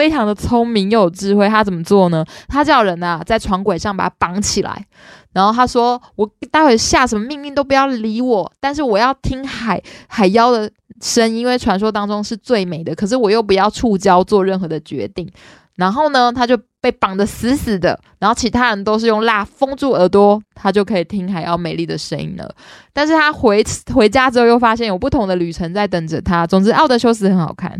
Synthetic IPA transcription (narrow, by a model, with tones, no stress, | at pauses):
fe˥ɪʈ͡ʂʰɑ˧˥ŋd̪ə˨t͡sʰo˥ŋmi˧˥ŋjo˨˩ʈ͡ʂɻ̩˥˧xwe˥˩ɪt̪ʰa˥t͡sə˨˩mə˦t͡swɔ˥˩nə˦t̪ʰa˥t͡ɕjɑ˥˩ʊɻə˧˥na˨t͡sa˥˩ɪʈ͡ʂʰwɑ˧˥ŋkwe˨ɪʂɑ˥˩ŋpa̰˨˩aa˥pɑ˧˥ŋt͡ɕʰi˨˩la̰˧˦ɪ | na˧˥nxo˥˩ʊt̪ʰa˥ʂwɔ˥wɔ˨˩t̪a˥˧we˥˩ɕja˥˩ʂə˧nmə˧mi˥˧ŋli˥˧nt̪o˥pu˨˩jɑ˥˩ʊli˧˥wɔ˨˩t̪a˥˧nʂ̬ɻ̩˥˩wɔ˨˩jɑ˥˩ʊt̪ʰi˥ŋxa˨˦ɪxa˨˩ɪjɑ˥ʊd̪ə˨ | ʂə˦˥ni˥nwe˥˩ɪʈ͡ʂʰwa˧˥nʂ̬wo˥ʊt̪ɑ˥ŋʈ͡ʂo˥ŋʂɻ̩˥˧t͡swe˥˩ɪme˨˩ɪd̪ə˦kʰɤ˨˩ʂ̬ɻ̩˥˩wɔ˨˩jo˥˩ʊp̬u˨˧jɑ˥˧ʊʈ͡ʂʰu˥˧t͡ɕjɑ˥ʊt͡swɔ˥˧ɻə˥˩nxɤ˧˥d̪ə˨t͡ɕɥɛ̰˧˥t̪i˥˩ŋ | na˧˥nxo˥˩ʊnə˩t̪ʰa˥t͡ɕjo˥˧ʊpe˥˩ɪpɑ˨˩ŋd̪ə˦sɹ̩˧˥s̩˨˩d̪ə̰˦ɻa˨˩nxo˥˩ʊt͡ɕʰi˧˥t̪ʰa˥ɻə˧nt̪o˥ʊʂ̬ɻ̩˥˧jʊ˥˧ŋla˥˩fɤ˥ŋt͡su˥˩ə˞˧˥t̪wɔ˥t̪ʰa˥t͡ɕjo˥˩ʊkʰɤ˧˥i˨˩t̪ʰi˥ŋxa˨˩ɪjɑ˥˩ʊme˨˩ɪli˥˩d̪ə˩ʂə˥nḭ˥nlə̰˩t̪a˥˧nʂ̬̩˥˩t̪ʰa˥xwe˧˥ɪxwe˧˥ɪt͡ɕja˥ʈ͡ʂɻ̩˧˥o˥˧jo˥˩ʊfa˥ɕjɛ˥˩njo˨˩ʊpu˥˩t̪ʰʊ˧˥ŋd̪ə˧ly˨˩ʈ͡ʂʰə˧˥nt͡sa˥˩ɪt̪ə˨˩ŋʈ͡ʂə˨˩t̪ʰa˦˥t͡sʊ˨˩ŋt͡s̩˧˥ʔʊd̪ə˧˦ɕjo˥ʊs̬ɹ̩˧˥xə˧˥nxɑ̰˨˩ʊkʰa̰˥˩n